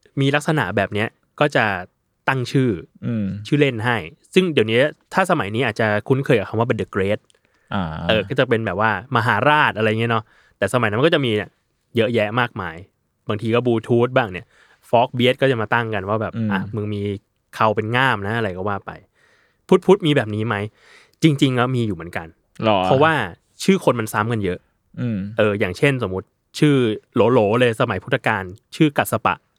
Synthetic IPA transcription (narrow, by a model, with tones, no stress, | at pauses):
miː˧la˦˥k̚sa˧na̰˩˦bɛː˨˩p̚ni˦˥ɐʔ | kɔː˥˩t͡ɕa˨˩ | t̪a˥˩ŋt͡ɕʰɯː˥˩˧t͡ɕʰɯː˥˩le˥˩nɦa˥˩jsɯ˥˩ŋdi˨˩wniː˦˥t̪ʰaː˥˩sa˧ma˨˩˦jniː˦ʔaː˨˩t̪̚t͡ɕa˨˩kʰu˦˥nkʰɤː˧jka˨˩kʰwaː˥˩pe˧ndɯ˨˩kɾeː˦˥t̪̚ | ʔa˧ʔɤː˨˩kɔ˥˩t͡ɕa˨˩pe˧nbɛː˨˩p̚waː˥˩ma˧ɦaː˩˦ɾaː˥˩t̪̚ʔa˧ɾjŋi˦˥˧nɔ˦˥ | t̪ɛː˨˩sa˧ma˨˩˦jna˦m˧kɔ˥˩t͡ɕa˨˩miː˧˨˩ | jɤ˦˥ʔjɛ˦˥ʔmaː˥˩k̚maː˧j | baː˧ŋt̪ʰiː˧kɔ˥˩buː˧t̪ʰuː˦˥t̪̚baː˥˩ŋni˦˥˩ɐ | fɔː˦˥k̚bi˦˥t̪̚kɔː˥˩t͡ɕa˨˩maː˧t̪a˥˩ŋka˧nwaː˥˩bɛː˨˩ʔa˧˩mɯ˧ŋmiː˧ | kʰa˧wpe˧nŋaː˥˩mna˦˥ʔa˧ɾa˧jkɔː˥˩waː˥˩pa̰˧j | pʰu˦˥t̪̚pʰu˦˥t̪̚miː˧bɛː˨˩p̚niː˦˥ma˦˥j | t͡ɕi˧ŋt͡ɕi˧ŋlɛ˦˥miː˧juː˨˩mɯ˩˦nka˧n˧˦ | pʰɔ˦˥waː˥˩ | t͡ɕʰɯː˥˩kʰo˧nma˧nsa˦˥mka˧njɤ˦˥ʔ | ʔɤː˧jaː˨˩ŋt͡ɕʰe˥˩nso˩˦mu˦˥t̪̚ | t͡ɕʰɯː˥˩loː˩˦loː˩˦lɤː˧jsa˧ma˨˩˦jpʰu˥˩t̪ʰːa˧kaː˧nt͡ɕʰɯː˥˩ka˨˩t̪̚sa˧pa̰˨˩ʔ